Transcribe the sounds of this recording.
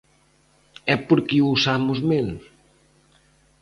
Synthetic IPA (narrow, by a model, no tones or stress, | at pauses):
ɛpoɾkiuusamʊzmel